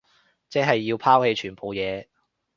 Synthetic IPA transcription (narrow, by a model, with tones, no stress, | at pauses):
t͡sɛː˥ɦɐ˨jːiː˧wpʰaː˥whe˨˧jt͡ʃʰyː˨˩npʰo˨wjɛː˨˧